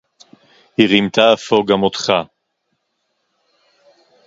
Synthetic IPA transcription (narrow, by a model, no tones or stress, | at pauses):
hiʁimt̪aːfoɡamot̪χa